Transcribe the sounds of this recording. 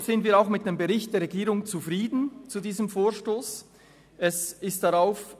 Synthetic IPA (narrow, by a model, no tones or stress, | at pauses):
z̥ɪndv̥iːɾaʊxmɪt̚d̥eːmbəʁɪçt̚d̥eːʁɛɡiːʁʊŋt͡sufʁiːdn̩t͡sudiːzəmfoːʃtoːs | ɛsɪstd̥aʁaʊf